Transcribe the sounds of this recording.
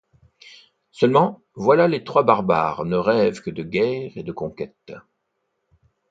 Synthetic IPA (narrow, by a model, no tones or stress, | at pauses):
sœlmɑ̃ | vwalalet̪χwabaʁba̰ːʁnəʁɛvkəd̪əɡʲɛːʁed̪əkɔ̃kʲɛt̪